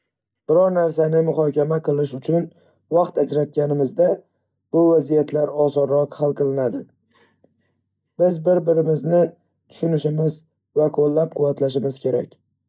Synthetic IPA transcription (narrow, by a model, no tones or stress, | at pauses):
b̥ɪɾɒɾnaɾsanɪmʊχɒkʲamaqʰɨlˠɪʃʊt͡ʃʰʊn | vɑqt̪ad͡ʒɾat̪̚ɡʲanɪmɪzd̪a | b̥ʊvazijat̪ʰlaɾɒsɒɾɾɒqhalˠqɨlˠɪnad̪ɪ | b̥ɪzbɪɾbɪɾɪmɪznɪ | t̪ʰʊ̥ʃʊnɪʃɪmɪz | vaqʰolːap̚qʰʊvːat̪laʃɪmɪzkʲʰe̞ɾakʲ